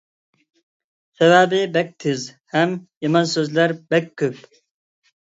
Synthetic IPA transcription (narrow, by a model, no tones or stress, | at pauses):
sɛvæːbɪbɛk̚t̪ʰɪz | hɛmjɑmɑnsøzlæɾbɛkʲʰːøp